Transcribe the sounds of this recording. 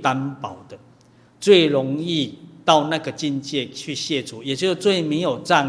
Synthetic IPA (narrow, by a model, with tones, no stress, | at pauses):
t̪a˦npa˨˩ʊd̪ə˨ | t͡swe˥˨ɪɾɔ˨˦ŋi˥˧t̪a˥˧ʊnã˥˧ɡə˨t͡ɕi˥˧nt͡ɕje˥˧t͡ɕʰy˥˧ɕjɛ˥˧t͡sʰu˨˦je˨˩t͡ɕjo˥˧t͡swe˥˨ɪmẽ˨˦jo˨˩t͡sa˥˧